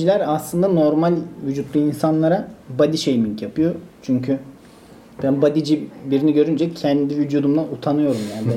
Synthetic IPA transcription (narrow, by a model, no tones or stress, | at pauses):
ilʲæɾaslˠɯnd̪ano̞ɾmalʲvyd͡ʒut̪lˠuinsanlˠaɾabad̪iʃejmiɲcjapʰɯjo̞t͡ʃʰyɲcʰy | bænbad̪id͡ʒibiɾiniɟø̞ɾynd͡ʒɛcʰɛnd̪ivyd̪uːd̪umlˠaut̪ʰanɯjo̞ɾumjaːnibɛ